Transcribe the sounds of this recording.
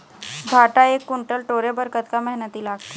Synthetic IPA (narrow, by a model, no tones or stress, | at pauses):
bʱaʈaekːuɳʈəlʈoɾebəɾkət̪kamɛɦnət̪iːlaɡt̪e